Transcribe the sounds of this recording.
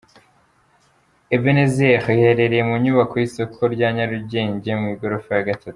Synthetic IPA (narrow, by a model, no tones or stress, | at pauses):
evenezexiheɾe̞ɾe̞jemuɲuβakojiso̞kʰo̞ɾɟaːɲaɾuɟe̞ːɲɟemŋiɡo̞ɾofojaɡatʰatu̥